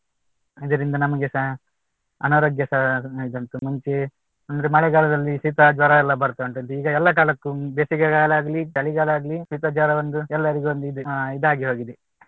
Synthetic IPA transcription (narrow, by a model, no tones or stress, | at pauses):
id̪ɐɾind̪ɐnɐmɐɡesɐ | ɐ̰nɐːɾɐɡjɐsɐid̪ɐnt̪umuɲt͡ʃe | ɐnd̪ɐɾemɐɭɛɡaːlɐd̪ɐlːisit̪ɐd͡ʒʋɐɾɐɛlːɐbɐɾt̪auɳʈ̪ɐnd̪eiːɡɐɛlːɐkaːlɐkːud̪eːsikɐkaːlaːɡɐlidɐɭiɡaːlaːɡɐlisit̪ɐd͡ʒaɾɐʋɐnd̪uɛlːɐɾiɡeʋond̪uid̪uid̪aːɡeɦoːɡid̪e